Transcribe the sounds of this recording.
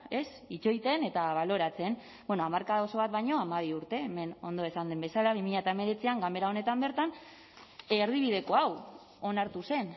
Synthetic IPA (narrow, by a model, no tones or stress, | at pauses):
e̞s | it͡ʃo̞jt̪e̞ne̞t̪aβ̞alo̞ɾat͡se̞n | bweno̞amaɾkaðoso̞β̞at̪̚βajɲo̞amaβ̞iuɾt̪e̞ːme̞no̞nd̪o̞e̞sand̪embe̞salaβ̞imiʎat̪aeme̞ɾe̞t͡siaŋɡame̞ɾao̞ne̞t̪ambe̞ɾt̪an | eɾð̞iβ̞ið̞e̞ko̞aw | o̞naɾt̪use̞n